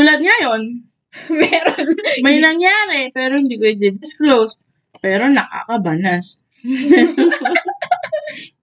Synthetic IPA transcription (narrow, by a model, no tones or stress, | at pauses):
t̪uːlɐd̪̚ŋɐjo̞n | mɛɾonmɐjnɐŋjaːɾɛpɛːɾohɪnd̪iːkoɛd̪ɛd̪ɪsklows | pɛːɾo̞nɐka̰kɐbɐnas